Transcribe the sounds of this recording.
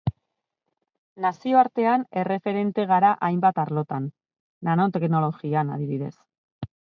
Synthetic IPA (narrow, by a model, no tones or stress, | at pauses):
nasio̞aɾt̪e̞ane̞re̞fe̞ɾe̞nt̪e̞ɣ̞aɾaʔajmbat̪aɾlo̞t̪anː | ano̞t̪e̞kno̞lo̞ɣianaðiβiðe̞̰s